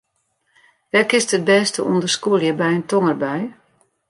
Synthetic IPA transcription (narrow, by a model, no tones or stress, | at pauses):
ʋɛkɪstət̚bɛːstəʔundərskuəlˠjəbɛjəntoŋərbɛj